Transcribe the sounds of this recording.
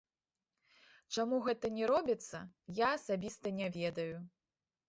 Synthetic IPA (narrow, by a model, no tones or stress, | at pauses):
t͡ʂamuɣɛt̪ɐnʲɛɾɔbʲit̪sːɐ̰jaːsabʲist̪ɐnʲɛvʲɛd̪ɐju